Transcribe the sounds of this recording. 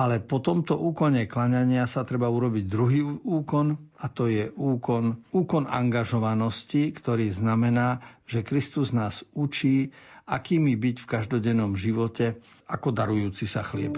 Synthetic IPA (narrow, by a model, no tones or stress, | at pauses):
alɛpɔt̪ɔmt̪ɔʔuːkɔɲɛklaɲaɲɪasat̪ɾɛbauɾɔbiɟd̪ɾuɦiːuːkɔnat̪ɔjɛʔuːkɔnuːkɔna̰ŋɡaʒɔʋanɔscikt̪ɔɾiːznamɛnaːʒ̥ɛkɾist̪uznaːzut͡ʃiːakiːmibicfkaʒd̪ɔɟɛnːɔmʒiʋɔcɛ | akɔd̪aɾujuːt͡sisaxlɪɛ̰p